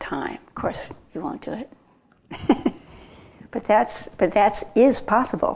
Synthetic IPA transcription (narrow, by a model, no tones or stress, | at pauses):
tʰãɪ̃mʌ̥kʰɔɹsjɨwõʊ̃nd̥ɨɪt̚ | b̥ʌt̪̚ðætsb̥ʌt̪̚ðætsɪz̥pʰɑsəbl̩ˠ